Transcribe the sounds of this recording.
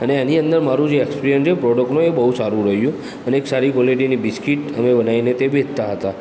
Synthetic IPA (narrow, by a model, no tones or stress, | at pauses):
əneaniənd̪əɾmaɾũd͡ʒeekspiɾijənt͡ʃʰepɾɔɽəknoebəɦusaɾũɾəɦjũ | əneeksaɾikɔleɖinibiskiʈəmebənainet̪ebʱed͡ʒt̪aɦət̪a